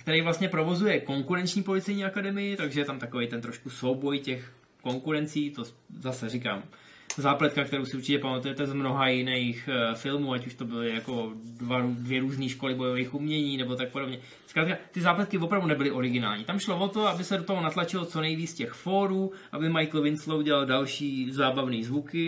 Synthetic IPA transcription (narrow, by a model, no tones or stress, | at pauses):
kt̪ɛɾɛjvlast̪ɲɛpɾo̞vo̞zujɛko̞ŋkuɾɛnt͡ʃɲiːpo̞lɪt͡sɛjɲiːakadɛmɪjɪt̪aɡʒɛjɛt̪amt̪akovejt̪ɛnt̪ɾo̞ʃkusowbo̞jcɛx | ko̞ŋkuɾɛnt͡siːt̪o̞ | zasɛrika̰ːm | zaːplɛt̪kak̚t̪ɛɾowsɪuɾt͡ʃɪcɛpamat̪ujɛt̪ɛzmno̞ɦajɪnɛjxfɪlmuːacuʃt̪o̞bɪlɪjako̞dvaɾudvjɛɾuːzniːʃko̞lɪbojovejxʔumɲɛɲiːnɛbot̪ak̚podo̞bɲɛ | skɾaːt̪̚kat̪ɪzaːplɛt̪kɪvopɾavdunɛbɪlɪʔo̞ɾɪɡɪna̰ːlɲiːt̪amʃlovot̪o̞abɪsɛdot̪oɦonat̪lat͡ʃɪlot͡sonɛjviːt͡scɛxfoːɾuːʔabɪmajkl̩vɪnslouɟɛlaldalʃiːzaːbavniːzvukɪ